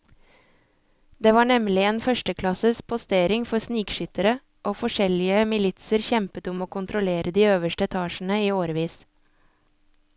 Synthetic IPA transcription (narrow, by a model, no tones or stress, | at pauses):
d̪̥eːʋɑːɳɛmlɪeːnfœʃʈəkʰlɑsəspʰʊst̪eːɾɪŋfɔɾsniːkʃʏt̪əɾə | ʔoːfɔʃɛlɪəmɪlɪt̪səɾçɛmpət̪ʊmoːkʰʊnt̪ʰɾʊleːɾʔəd̪iːøːʋəʃʈəɛt̪ʰɑːʃn̩əiːoːɾʋiːs